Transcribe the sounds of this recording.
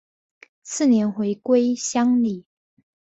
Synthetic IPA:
sɹ̩˥˩njɛ˧˥nxwe˧˥ɪkwe˥ɪɕjɑ˥ŋli˨˩

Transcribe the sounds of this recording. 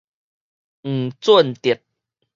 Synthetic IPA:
ŋ̩˨˩t͡swu˥˨nt̪i˨˩˨t̪̚

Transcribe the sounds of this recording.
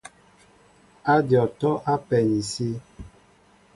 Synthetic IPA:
a˦djɔ˨tɔ˦ʔa˦pɛ˨ni˨si˦

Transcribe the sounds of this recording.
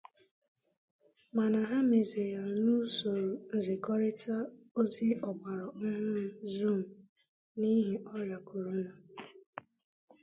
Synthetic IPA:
ma˨na˨ɦa˦me˨zi˨ɾja˨nu˦so˨ɾo˨n̩˨zɪ˨kɔ˦ɾɪ˦tʰa˦ | o˦zɪ˦ʔɔ˨ɡ͡ba˨ɾɔ˨˦ɦʊ˦zu˦˨m̩˨ | ni˦ɦi˨ʔɔ˦ɾa˨ku˨ɾu˦nɔ˨

